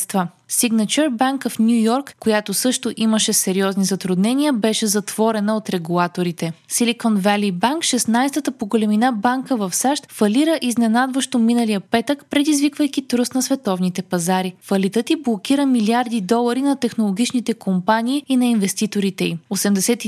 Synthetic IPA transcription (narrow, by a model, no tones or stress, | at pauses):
st̪və | siɡnɐt͡ʃɛɾbaŋkfnʲjujɔɾkːojat̪osɤʃt̪oʔiməʃɛsɛɾiɔznizɐt̪ɾʊd̪nɛniəbɛʃɛzɐt̪v̥ɔɾɛnəot̪ɾɛɡulˠat̪oɾit̪ɛsilikɔnvɛlibaŋkʃɛsnajst̪ət̪əpoɡolɛminabaŋkəvɐfsaʃt̪fɐliɾəʔiznɛnad̪vəʃt̪ominəlijəpɛt̪əkpɾɛd̪izvikvəjk̟it̪ɾust̪nɐsvɛt̪ɔvnit̪ɛpɐzaɾifɐlit̪ət̪iblˠokiɾəmiliaɾd̪id̪ɔlˠɐɾinɐt̪ɛxnolˠoɡ̟ʲit͡ʃnit̪ɛkompaniːinɐinvɛst̪it̪oɾit̪ɛiosɛmd̪ɛsɛt̪i